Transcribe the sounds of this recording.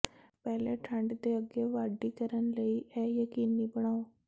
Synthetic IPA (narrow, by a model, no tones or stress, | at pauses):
pɛɦlaʈʰãɳɖd̪eəɡeʋaɖːikəɾənləiɛjəkinːibəɽ̃aʋ